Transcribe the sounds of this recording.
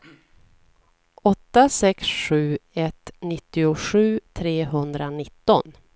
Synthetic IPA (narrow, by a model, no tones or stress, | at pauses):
ɔt̪ːasɛksɧʉ̟ːɛt̪nɪt̪ːɪʊɧʉ̟ːt̪ʰɾeːɦɵnd̪ɾanɪt̪ːɔ̰n